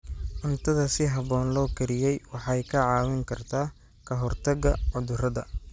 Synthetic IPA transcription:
ʔʊnt̪ʰɐðɐsɪɦɐβɔːnlɔːkʰɐɾɪjɛjwɑħɑjkʰɐʕɑːwɪŋkʰɐrt̪ʰaː | kʰɐɦɔrt̪ʰɐɡɐʕʊðʊrɐðɐ̰

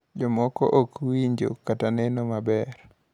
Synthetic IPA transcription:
d͡ʒɔmɔkɔ̰ʔokwiɲd͡ʒo̰katanɛnɔmabɛɾ

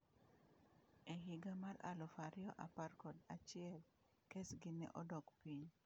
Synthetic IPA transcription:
eɦiɡamaɾa̰lɔfaɾɪɔʔaparkɔdat͡ʃɪɛl | kesɡɪnɛ̰ʔɔdɔkpiɲ

